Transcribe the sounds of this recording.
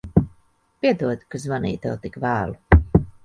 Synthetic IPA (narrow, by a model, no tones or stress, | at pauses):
pʲiɛd̪uɔd̪i̥kazmanḭːt̪ɛ̰wt̪ikvæːlˠu